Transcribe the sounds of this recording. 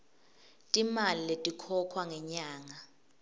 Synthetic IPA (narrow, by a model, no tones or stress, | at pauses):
tʼimaliletʼikʰɔkʰwaŋɛɲaːŋa